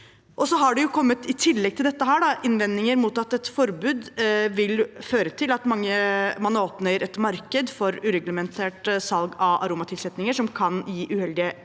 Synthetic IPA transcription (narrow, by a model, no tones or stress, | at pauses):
ʔɔsɔɦɑɖɛjʊkʰɔmːət̪ɪt̪ʰɪlːɛɡ̚t̪ʰɪld̪ɛt̪ːəɦæːɖɑɪnʋɛnnɪŋəɾmuːt̪ɑt̪ːɛt̪fɔɾbʉːd̪ʋɪlføːɾət̪ʰɪlɑt̪mɑŋːəmɑnoːpnəɾɛt̪mɑɾkəd̪fɔɾʉɾɛɡləmɛnt̪ʰeːʈsɑlɡɑʋʔɑ̰ɾuːmɑt̪ʰɪlsɛt̪nɪŋəʂɔmkʰɑnjiːʔʉhɛld̪ɪə